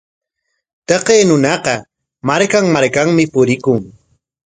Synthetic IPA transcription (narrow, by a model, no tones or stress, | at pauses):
t̪ɑqeːnʊnɑqɑ | maɾkaŋmaɾkaŋmɪpʊɾɪkʊŋ